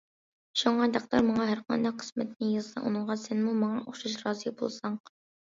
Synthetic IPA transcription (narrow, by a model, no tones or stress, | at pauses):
ʃuŋɑd̪ɑqt̪ɑɾmɑŋɑɦæɾqʰɑ̰nd̪ɑqʰːə̥smɪt̪ʰɪnɪjɨzsɑ̰ʔṵnɨɴʁɑsɛnmumɑɴɑʔoχʃuʃɾɑːzɨbo̰lˠsɑŋ